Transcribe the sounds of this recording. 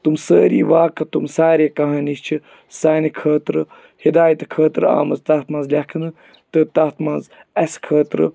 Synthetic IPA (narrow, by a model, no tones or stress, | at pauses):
t̪umsəːɾḭːʋaːkɐt̪umsaːɾeːkɐɦaːnist͡ʃʰi | saːnikʰəːt̪ɾɨ | hid̪aːjɐt̪kʰəːt̪ɾa̰ːmɐzt̪aːt̪mãːnzlʲakʰɨnɨ | t̪ɨt̪aːt̪mãːz | ɐskʰəːt̪ɾɨ̰